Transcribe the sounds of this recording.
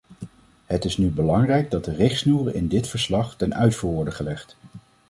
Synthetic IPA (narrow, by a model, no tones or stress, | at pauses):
ɦətɪsnybəlɑŋrɛjɡ̚dɑt̚dərɪχtsnuːrəɪ̰ndɪtfəɹslɑχtɛnœɥtfuːɹʋɔɹdəχəlɛχt